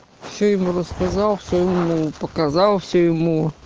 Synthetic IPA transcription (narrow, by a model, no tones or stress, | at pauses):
fsʲojɪmurəskɐzɑlˠfsʲojɪmupəkɐzɑlˠfsʲojɪmu